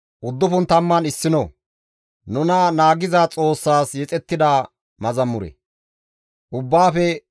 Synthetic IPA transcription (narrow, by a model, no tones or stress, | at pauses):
ʔʊd̪ːʊfʊnt̪ɐmːɐnɪsːɪnɔ | nʊnɐnaːɡɪzaːt͡sʼo̞ːsːaːsjɛt͡sʼɛt̪ːɪd̪aː | mɐzɐmːʊɾɛ̰ | ʔʊbːaːfɛ